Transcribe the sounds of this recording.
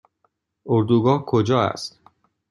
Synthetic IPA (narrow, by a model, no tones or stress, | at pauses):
ʔoɾd̪uːɡɒːhkʰod͡ʒɒːæ̰st̪